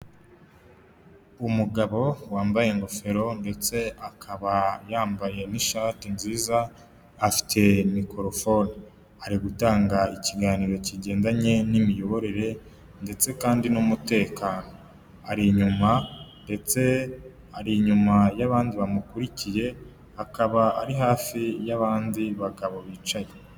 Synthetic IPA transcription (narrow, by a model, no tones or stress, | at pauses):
umuɡaβo̞waːmbaje̞ŋɡofe̞ɾo̞nde̞t͡se̞akʰaβajaːmbaje̞niʃaːtinziːzaː | fi̥tʰe̞mikoɾofoni | aɾiɡutaːŋɡaiciɡaːniɾo̞ciɟe̞ːndaɲe̞nimijo̞βo̞ɾe̞ɾe̞ | nde̞t͡se̞kaːndinumute̞ːkaːno̞ | aɾiɲumande̞t͡se̞ | aɾiɲumajaβaːndiβamukuɾicije̞ | akaβaa̰ɾiɦaːfijaβaːndiβaɡaβo̞βiːt͡ʃaje